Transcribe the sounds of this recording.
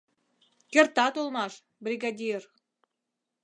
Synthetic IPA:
kert̪ɑt̪olmɑʃ | brʲiɡɑd̪ʲir

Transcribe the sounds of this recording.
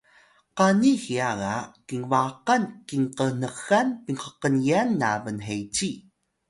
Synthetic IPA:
qanixiaɣakiŋvaqankiŋqən̥əxanpiŋqəqənianːavənɦejt͡ɕi

